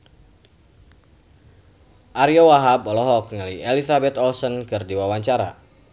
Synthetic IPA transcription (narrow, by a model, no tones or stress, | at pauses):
ʔaɾiɔwaɦabɔlɔɦɔk̚niliʔelisabɛt̪ɔlsɔnkɨrdiwawaɲt͡ʃaɾa̰